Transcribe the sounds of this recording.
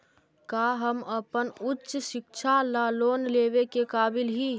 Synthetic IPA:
kaːɦəməpənʊtːʃʃɪkt͡ʃʰalaːloːnleːʋekekaːbɪlɦi

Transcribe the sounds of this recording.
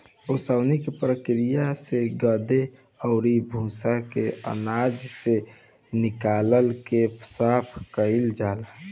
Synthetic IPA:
osəʊnikepɾəkɾijaseɡəd̪e | ɔʊɾibʱũːsakeə̰naːd͡ʒse | nɪkaːləlkepsapʰkəɪld͡ʒaːla

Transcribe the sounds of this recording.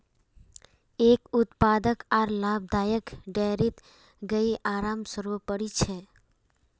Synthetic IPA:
eːkʊt̪paːd̪əkaːɾlaːb̚d̪aːjəkɖeɾit̪ | ɡəiʔaːɾaːmsəɾʋəpəɽit͡ʃʰe

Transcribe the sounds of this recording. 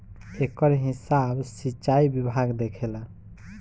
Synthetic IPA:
ekəɾɦisabsit͡ʃaibibʱaɡd̪ekʰela

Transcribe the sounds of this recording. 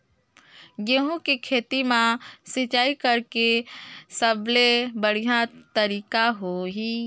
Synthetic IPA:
ɡeɦũkikʰeːt̪imãsɪt͡ʃaːikəɾkesəblebəɽ̤ijat̪əɾiːkaɦoɦiː

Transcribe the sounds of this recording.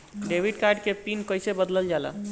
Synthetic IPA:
ɖebʱiɖkaɾɖkepinkəjsebəd̪ləld͡ʒalə̰

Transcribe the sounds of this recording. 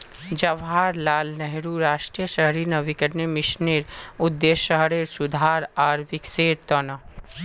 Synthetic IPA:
d͡ʒɐʋɦaːɾlaːlnɛɦɾuɾaːʃʈɾijəʃɐɦɾinɐʋikəɾnemɪʃneːɾʊd̪ːeːʃəɦɾeːɾsʊd̪ʱaːɾaːɾʋɪkseːɾt̪ɔːna

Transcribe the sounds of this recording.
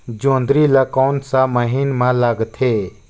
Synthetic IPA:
d͡ʒõːnd̪ɾilakɔːnsaməɦiːnmãlaɡt̪ʰɦe

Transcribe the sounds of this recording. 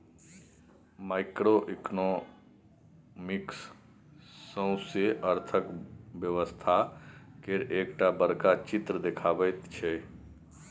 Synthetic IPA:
maːɪkɾoʔɪkno | mɪksː | ə̃ʊ̃seʔəɾt̪ʰəkbjəʋəst̪ʰakeɾeːkʈabəɾkat͡ʃɪt̪ɾəd̪ekʰaːbət̪t͡ʃʰeː

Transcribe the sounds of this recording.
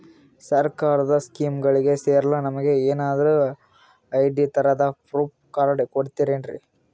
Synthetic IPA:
sɐɾkaːɾɐd̪ɐskiːmɡɐɭiɡe̞seːɾɐlɐnɐmɐɡe̞eːnaːd̪ɐɾu | ɐjɖit̪ɐɾɐd̪ɐpʰɾuːpkaːɾɐɽkoɽit̪iɾenɖɾḭ

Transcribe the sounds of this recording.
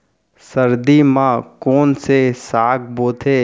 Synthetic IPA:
səɾd̪imãkoːnsesaːk̚ʰboːt̪ʰeː

